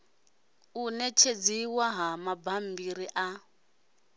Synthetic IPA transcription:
unɛt͡ʃʰed͡ziwaɦamabam̩biɾiʔa

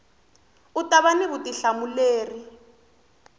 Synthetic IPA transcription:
utʼaβaniβutʼiɬamuleːri

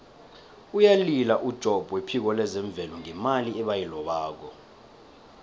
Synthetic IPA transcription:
ujalilaʔud̥ʒ̥ʱɔb̥ʱwepʰik̬ɔlɛzɛɱb̪vʱɛlɔŋɛmaliɛɓajɛlɔɓaːk̬ɔ

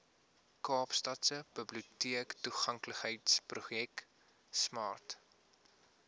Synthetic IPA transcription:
kɑːpstɐtsəb̥əbliutiəktuχɐŋkləkɦəjtsprujɛk | smɑːrt

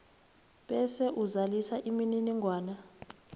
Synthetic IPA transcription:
ɓʼɛsɛʔuzalisaʔimininiŋɡʱwaːna

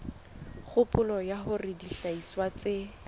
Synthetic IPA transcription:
χʊpʼʊlɔjaɦʊrɪdiɬaiswat͡sɪ

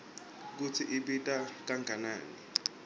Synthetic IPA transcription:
k̬ut͡sʰiʔiɓitʼak̬aŋɡʱana̰ːni

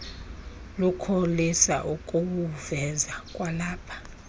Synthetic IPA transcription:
lukʰolisaʔukʼuɓuvɛzakʼwalaːpʰḁ

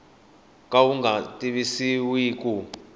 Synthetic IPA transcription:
kʼawuŋɡʱatʼiɓisiwiːk̬ʼu

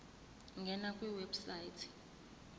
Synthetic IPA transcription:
ŋɡʱɛnakʼwiwebsajtʰi̥

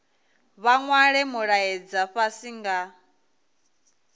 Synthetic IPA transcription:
βaŋwaɺɛmuɺaɛd͡zaɸasiŋɡa

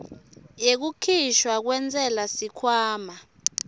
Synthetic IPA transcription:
jek̬ukʰiʃwak̬wɛnt͡sʼɛlasikʰwaːma

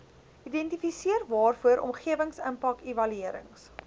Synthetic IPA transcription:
idɛntifisiərvɑːrfuəɾʔɔ̰mχiəvəŋsəmpɐkivɐlyiəɾə̰ŋs

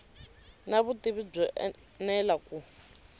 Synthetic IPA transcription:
naβutʼiβib͡ʐɛʔ | nɛlakʼu

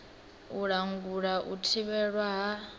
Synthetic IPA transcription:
uɺaŋɡuɺaʔutʰiβɛɺwaɦa

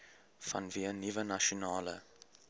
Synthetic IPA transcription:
fɐ̰nviənivənɐʃunɑːlə̰

